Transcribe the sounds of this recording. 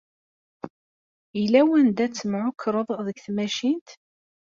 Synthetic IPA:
ilæwænd̪æt͡sːəmʕʊkʰːɾˤəðˤðəɡθmæʃint̪

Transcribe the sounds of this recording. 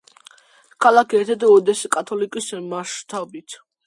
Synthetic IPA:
kʰalakʰɛɾt̪ʰɛd̪ɛɔd̪ɛsikʼat̪ʰɔlikʼismaʃt̪ʰabit̪ʰ

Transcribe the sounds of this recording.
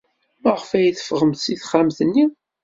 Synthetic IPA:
məʁəfæjθə̥fʁəmθsiθχamθənːi

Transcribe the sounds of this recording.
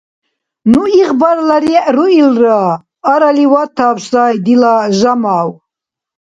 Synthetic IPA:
nuiʁbaɾlaɾiɛʔɾuilraː | ɾaliwat̪ʰaːpsaːjd̪ilaʒamaːw

